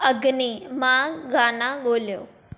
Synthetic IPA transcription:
ɐɡnimãɡaːnãɠoːlijo̰ː

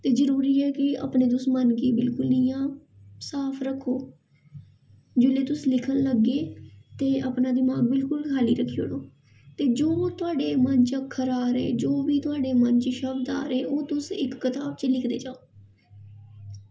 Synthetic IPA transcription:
t̪eːzəɾuːɾiːɛːkɪa̰ːpɳeːt̪ʊsmənkiːbɪlkʊlnɪjãː | saːpʰɾəkʰːoː | d͡ʒʊleːt̪ʊslɪkʰənləɡeːt̪eːəpnãːd̪ɪmaːɡ̚bɪlkʊlkʰaːlḭːɾəkʰːijo̰ɽoː | t̪eːd͡ʒoːt̪ʊaːɖeːməɲt͡ʃəkʰːəɾaːɾɛ̰ːd͡ʒoːʋiːt̪ʊaːɖeːməɲt͡ʃʃəbd̪a̰ːɾeːoːt̪ʊsɪkːət̪aːbt͡ʃəlɪkʰd̪ḛːd͡ʒaːoː

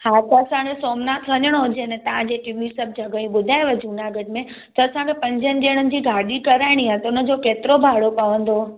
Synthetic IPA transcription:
hat̪əːsãɡesoːmnat̪ʰʋəɲəɽ̃ɦõd͡ʑenɛt̪əãd͡ʑekimisəb̚d͡ʑʱəɡəĩɓʊd̪ʱaeʋəd͡ʑʱuːnaɡəɖ̚mẽ | t̪ɔɐsãkepɐ̃ɲd͡ʑənɪɗeɽ̃ənɪ̆d͡ʑiːɡʱaːɗikəɾaːɪɽ̃iɦãt̪ʊnəd͡ʑokeːt̪ɪɾobʱaːɽopaʋə̃nd̪o

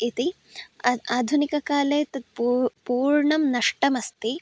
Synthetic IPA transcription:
it̪i | aːd̪ʱunikɐkaːleːt̪ɐt̪̚ppuːɾɳɐmnɐʂʈɐmɐst̪i

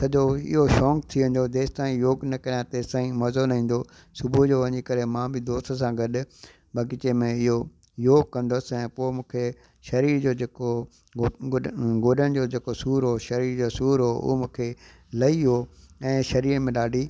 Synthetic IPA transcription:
sɐd͡ʑoɪ̰ɦoʃɔːkt̪ʰiʋẽːn̆d̪od̪eːst̪aːĩjoːɡnɐkɐɾijãt̪eːst̪aːĩmɐzonɐɦĩːn̆d̪o | sʊbʱud͡ʑoːʋɐɲikɐɾemãːbɪd̪oːst̪sãɡɐɗ | bɐɡɪt͡ɕemẽɪɦo | joːɡ̚kɐ̃nd̪ʊsɛ̃ːpoːɪmũːkʰe | ʃɐɾiːɾd͡ʑoːd͡ʑeːko | ɡoːɗəɽ̃d͡ʑoːd͡ʑeːkosuːɾɦoːʃɐɾiːɾd͡ʑoːsuːɾɦo̰ɦomũːkʰe | lɐiɦo | ɛ̃ːʃɐɾiːɾəmẽɗaːɖʱiː

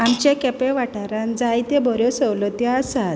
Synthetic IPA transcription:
amt͡ɕekɛpẽʋaʈaɾãnd͡zajt̪ebɔɾjɔsəwlɔt̪jaːsat̪

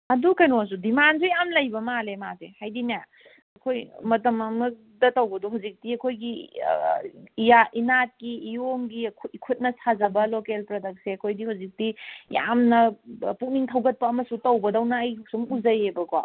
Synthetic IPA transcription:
ɐdukɐjnos̬udimansujamlɐjbɐmalemasehajdina | ɐkʰojmɐtɐmɐmɐk | dɐtɐwbɐdoɦawzik̚tiɐkʰojɡi | ijaʔinat̚kiːjoŋɡikʰkʰut̚nɐsʰazɐbɐlokelpɾɐdɐk̚seɐkʰojdihawzik̚dija̰mnɐpuk̚niŋtʰɐwɡɐt̚pɐːmɐsutɐwbɐdɐwnɐːjuk̚sumuzɐjebɐkwa̰

